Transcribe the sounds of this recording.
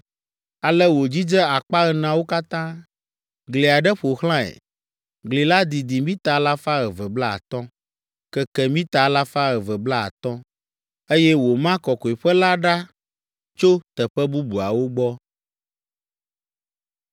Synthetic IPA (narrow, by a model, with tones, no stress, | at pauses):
a˨lɛ˦wo˨d͡ʑi˦d͡ʒɛ˦a˨k͡pa˦ɣɛ˨nã˨wo˦ka˦t̪ã˦ | ɡli˨a˨ɖɛ˦ɸo˨xl̃ã˦ɛ̰˨ | ɡli˨la˦d̪i˨d̪i˨mĩ˦t̪a˨˦la˦fa˦ɣɛ˨vɛ˨bla˦a̰˨t̪ɔ̃˦ | kɛ˦kɛ˨mĩ˦t̪a˨˦la˦fa˦ɣɛ˨vɛ˨bla˦a̰˨t̪ɔ̃˦ | e˦jɛ˦wo˨mã˦kɔ˨kɔ˨i˨ɸɛ˦la˦ɖa˦ | t͡ʃo˦t̪ɛ˨ɸɛ˦bu˦bu˨a̰˨wo˦ɡ͡bɔ˦